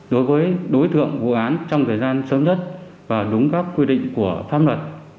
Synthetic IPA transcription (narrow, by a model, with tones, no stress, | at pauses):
ɗo˨˦jvəː˨˦jɗo˨˦jt̪ɨ̰˧˨əŋvṵ˧˨ʔaː˨˦nt͡ɕɔ˧wŋ͡mt̪ʰəː˨˩jzaː˧nsəː˨˦mzə˦˥t̚ | vaː˨˩ɗʊ˨˦ŋ͡mkaː˦˥kːwi˧ɗḭ˧˨ŋ̟ku˧˩əfaː˧˥p̚lə˨˩t̚